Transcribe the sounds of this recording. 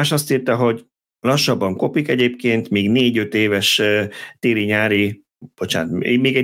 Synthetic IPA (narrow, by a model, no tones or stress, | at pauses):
aːʃɒst̪iːrt̪ɒɦo̞ɟ | lɒʃːɒbːɒŋko̞pikɛɟeːpkeːnt̪miːɡneːɟøt̪eːvɛʃt̪eːɾiɲaːɾi | b̥o̞t͡ʃa̰ːnt̪meːɡɛ